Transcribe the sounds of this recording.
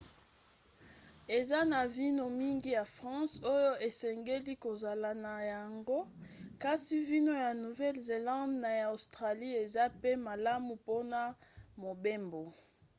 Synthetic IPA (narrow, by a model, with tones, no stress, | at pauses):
e˨za˦na˨vi˦no˨mi˦ŋɡi˦ja˨fʁɑ̃˦so˦jo˦ʔe˨sɛ˨ŋɡe˦li˦ko˨za˨la˨na˨ja˨ŋɡo˦ka˦si˦vi˦no˦ja˨nu˨vɛ˦lze˨lɑ̃˦dna˨ja˨o˨stʁa˨li˦e˨za˦pe˦ma˨la˦mu˨po˦na˨mo˨be˦mbo˨